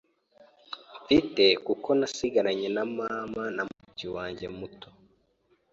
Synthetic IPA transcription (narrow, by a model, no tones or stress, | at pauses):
mfite̞kuko̞nasiɡaɾaɲe̞namamanamuciwaːɲɟe̞muto